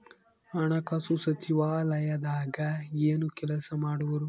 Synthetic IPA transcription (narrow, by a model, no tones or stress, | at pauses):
ɐɳɐkɐsusɐt͡ʃiʋaːlɐjɐd̪aːɡɐeːnukɛlɐsɐmaːɽuʋɐɾu